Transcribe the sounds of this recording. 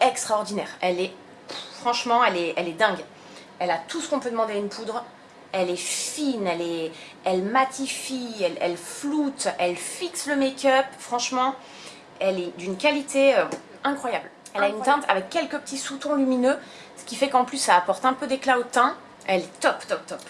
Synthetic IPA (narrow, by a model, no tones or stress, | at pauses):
ɛkst̪χaɔʁd̪inɛːʁɛlɛ | fχɑ̃ʃmɑ̃ɛlɛɛlɛd̪ɛ̃ɡ | ɛlat̪usə̥kɔ̃pød̪əmɑ̃d̪eaynpʰud̪ʁ | ɛlɛfinɛlɛ | ɛlmat̪ifiɛlɛ̰lflut̪ɛlfiksləmekʲœpfχɑ̃ʃmɑ̃ | ɛlɛd̪ynkalit̪ʰeø | ɛ̃kχwajabl | ɛlaynt̪ɛ̃t̪ʰa̰vɛkʲːɛlkəpə̥t̪ʰisut̪ɔ̃lyminø | sə̥kʲifɛkɑ̃plysːaːpɔʁt̪ɛ̃pød̪eklaot̪ɛ̃ | ɛlɛt̪ɔpt̪ɔp̚t̪ɔp